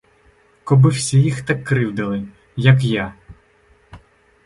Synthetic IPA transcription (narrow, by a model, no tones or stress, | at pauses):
kɔbɪwsʲijixt̪akːɾɪwd̪ɐlˠɪ | jɐk̬ja